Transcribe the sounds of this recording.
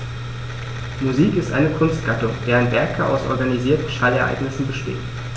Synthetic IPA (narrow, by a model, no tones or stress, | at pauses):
muziːkɪstʔaɪnəkʰʊnst̚ɡ̥atʊŋd̥eːʁənvɛɐkʰːaʔa̰ʊsʔɔ̰ɐɡaniziːɐtn̩ʃaɪlɛɐʔa̰ɪɡnɪsn̩bəʃtḛːt